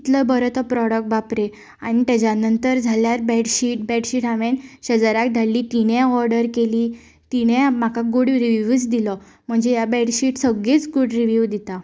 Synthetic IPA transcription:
it̪ləbəɾət̪əpɾɔɽək̚ʈ̚bapɾe | aɽ̃it̪ad͡ʑanənt̪əɾd͡zʱaljaɾbɛɖɕiʈ̚bɛɖɕiʈaʋenɕəd͡zaɾak̚d̪ʱalːiːt̪iɽ̃ɛ̃ɔɾɖəɾkeliː | t̪iɽ̃ɛ̃m̤akʰaɡuɽɾiʋuʋt͡sd̪ilɔ | m̤əɳd͡zejabɛɽɕiʈsəɡet͡sɡuɽɾiʋjuʋd̪it̪a

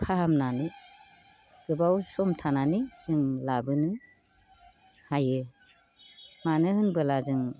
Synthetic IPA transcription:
kʰahamnani | ɡ̥ɯbawsɔmtʰananisɯŋlabɯnɯ | hajɯ | manɯhɯnbɯlazɯŋ

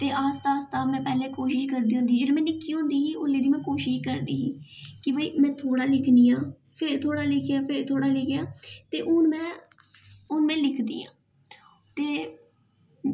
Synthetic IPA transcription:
t̪eːʔaːst̪aːst̪aːmɛ̃ːpɛːleːkoːʃɪʃkəɾd̪iːɦʊ̃nd̪iːd͡ʒeːloːmɛ̃ːnɪkːiːɦõnd̪iːɦiːʊlːeːd̪iːmɛ̃ːkoːʃɪʃkəɾd̪iːɦiːkɪbəiːmɛ̃ːt̪ʰoːɽaːlɪkʰniːãː | pʰɪɾt̪ʰoːɽaːlɪkʰjaːpʰɪɾt̪ʰoːɽaːleːkejaːt̪eːʔʊnmɛ̃ː | ʊnmɛ̃ːlɪkʰd̪ḭːã̰ː | t̪eː

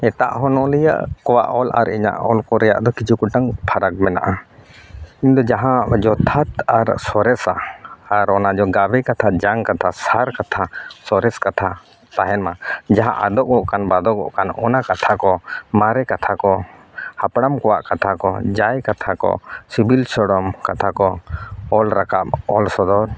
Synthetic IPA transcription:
ɛt̪a̰ʔɦɔnɔʔlɛja̰ʔkɔwa̰ʔɔlʔa̰ɾiɲa̰ʔɔlkɔɾɛja̰ʔd̪ɔkid͡ʒukuʈaŋpʰaɾak̚mɛna̰ʔa | iɲd̪ɔd͡ʒaɦãd͡ʒɔt̪ʰat̪aɾsɔɾɛsa̰ːɾɔnad͡ʒɔɡabɛkat̪ʰad͡ʒaŋkat̪ʰasaɾkat̪ʰasɔɾɛskat̪ʰa | t̪aɦɛnmad͡ʒaɦã̰ʔad̪ɔʔ̚ɡɔʔkanbad̪ɔkɔʔkanɔnakat̪ʰakɔmaɾɛkat̪ʰakɔ | hapɽamkɔwaʔkat̪ʰakɔ̰d͡ʒajkat̪ʰakɔ̰sibilsɔɽɔmkat̪ʰakɔɔlɾakap̚ɔlsɔd̪ɔɾ

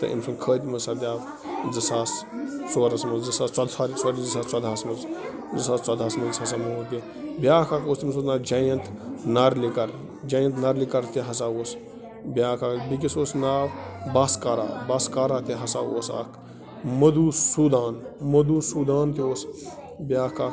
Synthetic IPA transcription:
t̪ɐ̰ʔḭmsɐnkʰəːt̪ʲmɐsabʲaːʋ | zɐsaːst͡soːɾɐsmɐnzd͡zisaːst͡sɐd̪saːɾisɐɾid͡zisaːt͡swad̪ʱaːsmɐnz | zisaːst͡swɐd̪ʱaːsmɐnshɐs̬aːmɐɦoːk̪i | bʲaːkʰaːkoːst̪imɐs̬oːsnaːd͡ʒaːjɐnt̪nɐɾlikɐɾ | d͡ʒaːjɐ̃nt̪nɐɾlikɐɾt̪iɦɐs̬aːoːs | bʲjaːkaːkbik̬isoːsnaːbbaːskaːɾa̰ːbaːskaːɾaːt̪eɦɐsaːo̰ːsa̰ːk | mɐd̪usuːd̪aːnmɐd̪uːsuːd̪aːnt̪ioːs | bʲjaːkaː

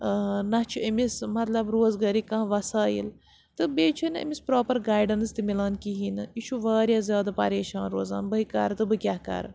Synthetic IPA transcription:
nɐt͡ʃʰuɐmismɐt̪lɐbɾoːzɡɐɾikɐ̃ɦʋɐsaːḭl | t̪ɨbeːt͡ʃʰunɐ̰mispɾoːpɐɾɡaːjɖɐnst̪imilaːnkiɦiːnɨiʃʰuʋaːɾʲjaːzjaːd̪aːpɐ̰ɾeːʃaːnɾoːza̰ːnbɐikɐ̰ɾt̪ɨbɨkʲjaːkɐ̰ɾ

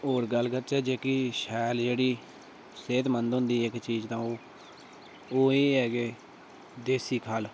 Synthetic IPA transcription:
oːɾɡəlkət̪t͡ʃɛːd͡ʒeːkɪʃɛːld͡ʒeːɽiː | seːt̪mənd̪ɦʊ̃nd̪iːɪkt͡ʃiːd͡ʒt̪ãːoː | oːeːɦɛːɡeː | d̪eːsiːkʰaːl

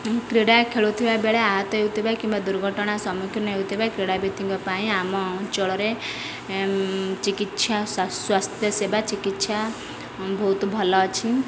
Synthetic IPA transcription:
kɾiɽakʰeɭut̪ʰibabeɭeaɦɔt̪ɔɦewt̪ʰibajkĩmbad̪uɾɡʱɔʈɔɽ̃asɔmukʰɾɔnɔɦewt̪ʰibajkɾiɽabit̪iŋkɔpaĩamɔt͡ʃɔɭɔɾe | t͡ʃikit̪ʃʰasswast̪ʰjɔsebat͡ʃikit̪sa | bʱɔut̪bʱɔlɔt͡ʃʰi

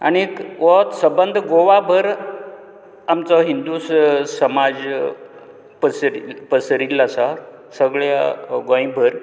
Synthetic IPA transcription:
a̰ɽniekʋɔt̪səbənd̪ʱɡoʋabʱəɾ | amt͡sɔɦind̪usəmad͡z | pəsɾipəsɾilasa | səɡɭja̰ɡɔ̃jbʱəɾ

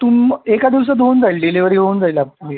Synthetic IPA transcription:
t̪uːmekad̪iʋs̬əd̪ond͡zailleliʋəɾiɦond͡zajlaːp̚li

